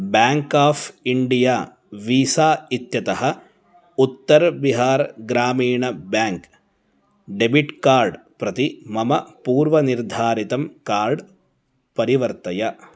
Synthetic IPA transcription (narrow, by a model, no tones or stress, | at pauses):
bjaːŋkaːfʰiɳɖijaː | ʋiːsaːit̪jɐt̪ɐɦɐ̆ | ut̪ːɐɾbiɦaːɾɡɾaːmiːɳɐbjaːŋk | ɖebiʈkaːɾɖ | pɾɐt̪imɐmɐpuːɾʋɐniɾd̪ʱaːɾit̪ɐmkaːɾɖ | pɐɾiʋɐɾt̪ɐjɐ